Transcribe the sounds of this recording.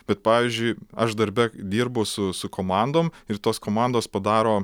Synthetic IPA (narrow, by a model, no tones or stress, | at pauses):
b̥ʲɛt̪pɑːʋʲiːzʲd͡ʒʲʊɪɐʃd̪ɐɾʲbʲɛd̪ʲiːɾbɐʊsʊsʊkoːmɑˑnd̪oːmɪrt̪oːskoːmɑnd̪oːspɐd̪ɑːɾoː